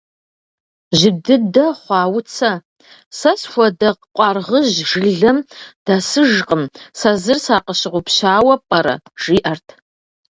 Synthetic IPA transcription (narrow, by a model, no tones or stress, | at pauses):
ʒɪdɨdɐχʷɑːwʊt͡sʰɐ | sɐsxʷɐdɐqqʷʼɑrʁəʑʒɨɮɨmd̥asɨʒqʼəmsazɨrsaːqəʃɪʁʷʊpʰɕaːwɐpʼɐɾɐ̰ʒ̥iːʔɐrtʰ